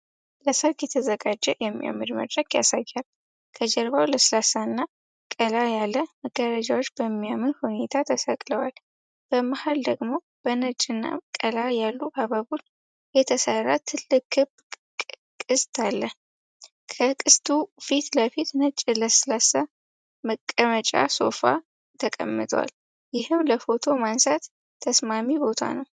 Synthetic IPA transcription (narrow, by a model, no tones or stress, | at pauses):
ləsəɾkʼjɛt̪ʰəzəɡad͡ʒːɛjɛmːija̰mːilmə̰d̪ɾəɡja̰sajːal | kʰəd͡ʒɛɾβawləslasanːa | kʼəlajalːəməɡːəɾad͡ʒawot͡ʃːbəmːijamɨnhune̞t̪ʰat̪ʰəsəkʼləwal | b̥əmahald̪əɡmo | b̥ənət͡ʃʼɨnːa̰kʼəlajalːuʔaβaβun | jɛt̪ʰəsərːat̪ʰɨlːɨkːɨb | kʼɨst̪ʰʼalːə | kʰəkʼɨst̪ʰʼufit̪ləfit̪nət͡ʃʼːɪləslasa | məkʼːəmət͡ʃʼa̰so̞fa̰ | t̪ʰəkʼə̰mːɨt̪ʰʼəwa̰l | jɪhɨmləfo̞t̪ʰo̞mansat̪ʰː | əsmamibo̞t̪ʰa̰nəw